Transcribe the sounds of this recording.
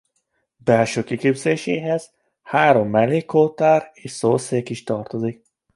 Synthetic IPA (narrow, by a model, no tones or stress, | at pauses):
bɛlʃøːkikeːbz̥eːʃeːɦɛz̥ | haːɾo̞mːɛlːeːkoːt̪aːreːʃsoːseːkiʃt̪ɒrt̪o̞zik̚